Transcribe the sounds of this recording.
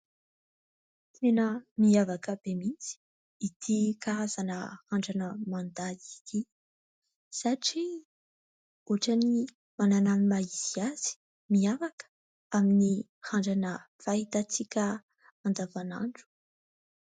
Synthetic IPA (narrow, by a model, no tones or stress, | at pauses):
t̪ʰenəmiavakəb̥emit͡si̥ː | t̪ʰikaɾaz̥anə̰haɳɖ͡ʐanəmand̪ait̪i | saʈ͡ʂi | oʈ͡ʂani | manananimaiziaz̥i̥ | miavakə̥ | amini | haɳɖ͡ʐanə | faɦit̪at͡sikʲə | and̪avana̰ɳɖ͡ʐu̥